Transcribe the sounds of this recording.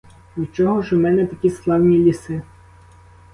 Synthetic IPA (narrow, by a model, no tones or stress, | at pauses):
ut͡ʃɔɦɔʒɔmɛnɛt̪ɐkʲisklˠɑwnʲilʲisɪ